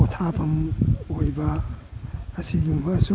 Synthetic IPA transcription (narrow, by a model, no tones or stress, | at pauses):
otʰabɐmojbɐː | siɡumbɐːsu